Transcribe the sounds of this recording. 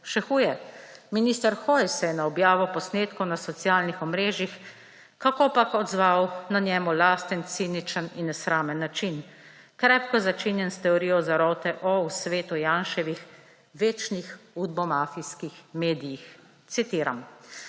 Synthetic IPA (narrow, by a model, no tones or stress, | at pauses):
ʃɛxuːjɛminiːst̪əɾxɔjsɛjɛnaɔbjaːʋɔpɔsneːt̪kɔwnasɔt̪sjaːlnixɔmɾeːʒix | kakopakɔd̪zʋawnanjɛːmulaːst̪ənt̪sinit͡ʃəninːɛsɾaːmənːat͡ʃin | kɾɛːpkɔzat͡ʃiːnjɛnst̪ɛɔɾijɔzaɾɔːt̪ɛʔɔwsʋeːt̪ujaːnʃɛʋix | ʋeːt͡ʃnixud̪̚bɔmaːfiskixmeːd̪ijix | t̪sit̪iːɾa̰m